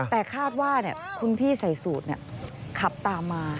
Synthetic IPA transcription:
t̪ɛː˨˩kʰaː˥˩t̪̚waː˥˩ni˥˩ɐkʰu˧npʰiː˥˩sa˨˩˦jsuː˨˩t̪̚ni˥˩ɐkʰa˨˩p̚t̪aː˨˧mːaː˧

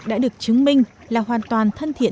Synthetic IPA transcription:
ɗa̰ː˧˥ɗɨ˨˩ək̚t͡ɕɨ˨˦ŋmï˧ŋ̟ | laː˨˩ɦwaː˨˩nt̪waː˨˩nt̪ʰə˧nt̪ʰḭ˧˨ə

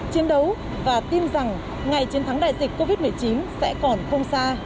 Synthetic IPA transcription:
t͡ɕi˨˦ənɗə˨˦w | vaː˨˩t̪i˧nza˨˩ŋ | ŋa˨˩jt͡ɕi˧˩ənt̪ʰa˨˦ŋɗa̰ː˧˨jzi˨˩k̟̚ko˧vi˦˥t̚mɨ˨˩əjt͡ɕi˨˦nsɛ̰˧˥kɔ˨˩nxə˧wŋ͡msaː˧

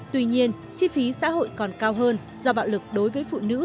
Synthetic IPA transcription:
t̪wi˧ɲi˧ən | t͡ɕi˧fi˨˦sa̰ː˧˥ɦo̰˧˨jkɔ˨˩nkaː˧wɦəː˧n | z̥ɔ˧ɓa̰ː˧˨wlɨ˨˩k̚ɗo˨˦jvəː˨˦jfṵ˧˨nɨ̰˧˥

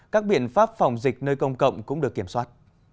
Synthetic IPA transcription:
kaː˦˥k̚ɓḭ˧˨ənfaː˦˥p̚fa˨˩wŋ͡mzï˨˩k̚nəː˧jkə˧wŋ͡mkə̰˧˨wŋ͡mkʊ̰˧˥ŋ͡mɗɨ˨˩əkːi˧˩əmswaː˦˥t̚

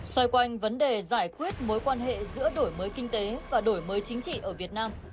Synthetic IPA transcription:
swa˧jkwa˧jŋ̟və˨˦nɗe˨˩zaː˧˩jkwi˦˥ət̚mo˨˦jkwaː˧nɦḛ˧˨zɨ̰˧˥əɗo˧˩jməː˨˦jkï˧ŋ̟t̪e˨˦vaː˨˩ɗo˧˩jməː˨˦jt͡ɕï˨˦ŋ̟t͡ɕḭ˧˨ʔəː˧˩vi˨˩ət̚naː˧m

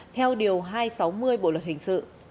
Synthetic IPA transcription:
t̪ʰɛ˧wɗi˨˩əwɦaː˧jsa˨˦wmɨ˧əjɓo̰˧˨lwə˨˩t̚hï˨˩ŋ̟sɨ̰˧˨

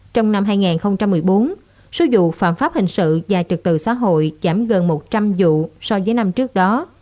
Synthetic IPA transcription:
t͡ɕɔ˧wŋ͡mna˧mɦaː˧jŋaː˨˩nxə˧wŋ͡mt͡ɕa˧mːɨ˨˩əjɓo˨˦n | so˨˦zṵ˧˨fa̰ː˧˨nfaː˦˥p̚hï˨˩ŋ̟sɨ̰˧˨vaː˨˩t͡ɕɨ˨˩k̚t̪ɨ̰˧˨˩sa̰ː˧˥ɦo̰˧˨jzaː˧˩mɣə˨˩nmo˨˩t̚t͡ɕa˧mzṵ˧˨sɔ˧vəː˨˦jna˧mt͡ɕɨ˦˥ək̚ɗɔ˨˦

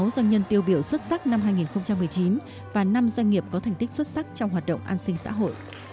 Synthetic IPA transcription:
wzwa˧ɲə˧nt̪i˧əwɓi˧˩əwswə˦˥t̚sa˦˥k̚na˧mɦaː˧jŋi˨˩nxə˧wŋ͡mt͡ɕa˧mːɨ˨˩əjt͡ɕi˨˦n | vaː˨˩na˧mzwa˧ŋ̟ŋi˨˩əp̚kɔ˨˦t̪ʰŋ̟t̪i˦˥k̟̚swə˦˥t̚sa˦˥k̚t͡ɕɔ˧wŋ͡mɦwaː˨˩t̚ɗə̰˧˨wŋ͡mʔa̰ː˧nsï˧ŋ̟sa̰ː˧˥ɦo̰˧˨jʔ

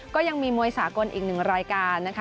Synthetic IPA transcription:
kɔː˥˩ja˧ŋmiː˧mu˧əjsaː˩˦ko˧nʔḭː˨˩k̚nɯ˨˩ŋɾaː˧jkaː˧nːa˦˥kʰ

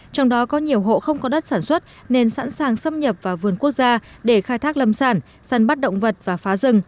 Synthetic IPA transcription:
t͡ɕɔ˧wŋ͡mɗɔ˨˦kɔ˨˦ɲi˨˩əwɦo̰˧˨xə˧wŋ͡mkɔ˨˦ɗə˦˥t̚saː˧˩nswə˦˥t̚ne˧nsa̰˧˥nsaː˨˩ŋsə˧mɲə˨˩p̚vaː˨˩vɨ˨˩ənku˦˥ək̚zaː˧ɗe˧˩xaː˧jt̪ʰa˦˥k̚lə˧˩msaː˧˩n | saː˧˩nɓa˦˥t̚ɗə̰˧˨wŋ͡mvə˨˩t̚vaː˨˩faː˨˦zɨ˨˩ŋ

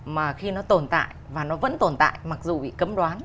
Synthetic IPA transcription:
maː˨˩xi˧nɔ˨˦t̪o˨˩nt̪a̰ː˧˨jvaː˨˩nɔ˨˦və̰˧˥nt̪o˨˩nt̪a̰ː˧˨jma˨˩k̚zu˨˩ɓḭ˧˨kə˨˦mɗwaː˨˦n

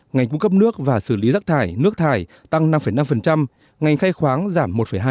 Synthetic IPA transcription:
ŋa˨˩ŋ̟ku˧ŋ͡mkə˦˥p̚nɨ˦˥ək̚vaː˨˩sɨ˧˩li˨˦zaː˦˥k̚t̪ʰaː˧˩jnɨ˦˥ək̚t̪ʰaː˧˩j | t̪a˧ŋna˧mfə˧˩jna˧mfə˨˩nt͡ɕa˧m | ŋa˨˩jŋ̟xaː˧jxwaː˨˦ŋzaː˧˩mːo˨˩t̚fə˧˩jɦaː˧

